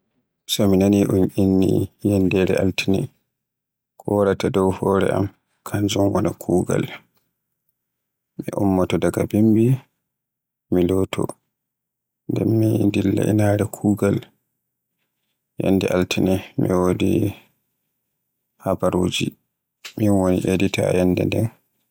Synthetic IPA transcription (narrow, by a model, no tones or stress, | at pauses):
sɔminaniʔuɲʔinːḭjɛndɛɾɛʔaltinɛ | kɔɾatadɔwhɔɾɛ̰ʔam | kʰand͡ʒɔnwɔnakʰuːɡa̰l | miʔumːɔtɔdaɡabimbi | milɔtʰɔ̰ | ndɛmːindilːa̰ʔinaɾɛkʰuːɡal | jɛ̰nːdɛʔaltʰinimḭwodi | habaɾod͡ʒi | minwoniʔedita̰jɛnːdɛndɛn